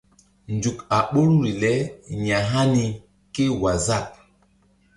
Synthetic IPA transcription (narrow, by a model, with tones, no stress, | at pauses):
n˨d͡ʒu˨ka˨ɓo˦lu˦ɾi˨lɛ˦ɲa˨ɦa˦ni˨ | ke˦wa˨za˦˨k̚